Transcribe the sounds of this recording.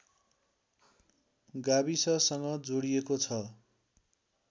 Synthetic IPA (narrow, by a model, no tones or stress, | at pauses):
ɡabisʌsʌŋɡʌd͡zoɽijekot͡sʰʌ